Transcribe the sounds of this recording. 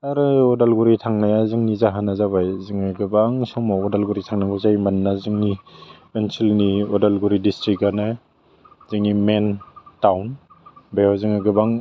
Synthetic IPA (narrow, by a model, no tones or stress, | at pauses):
aɾɯɔdalɡuɾitʰaŋnajazɯŋnizaɦanazaβajzɯŋɯɡɯbaŋsɔmɔɔdalɡuɾitʰaŋnabɔzajmanːazɯŋni | ensilniɔdalɡuɾidistɾik̚ɡana | zɯŋnimentawn | bajazɯŋɯɡɯbaŋ